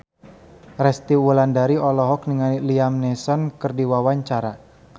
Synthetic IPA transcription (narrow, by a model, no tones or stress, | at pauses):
rɛst̪iwulandaɾiɔlɔɦɔk̚niŋaniliamnɛsɔnkɨrdiwawaɲt͡ʃaɾa